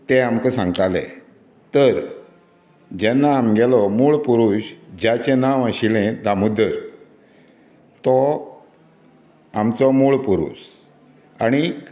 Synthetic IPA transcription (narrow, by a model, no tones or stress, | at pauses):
t̪eamkəsãŋɡt̪alɛ̰ | t̪əɾ | d͡ʑɛnːaːmɡɛlɔmuːɭpuɾuɕd͡ʑat͡ɕenaʋəɕilẽd̪amud̪əɾ | t̪ɔ | amt͡sɔmuːɭpuɾṵs | aɽ̃i